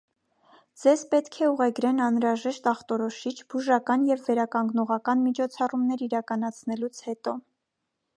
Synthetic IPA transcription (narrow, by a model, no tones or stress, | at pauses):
d͡zɛzpɛt̪kʰɛuʁɛɡɾɛnɑnɾɑʒɛʃt̪ɑχt̪ɔɾɔʃit͡ʃʰb̥uʒɑkɑnjɛvːɛɾɑkɑŋɡnɔʁɑkɑnmit͡ʃʰɔt͡sʰɑrumnɛɾiɾɑkɑnɑt͡sʰnɛlut͡sʰhɛt̪ɔ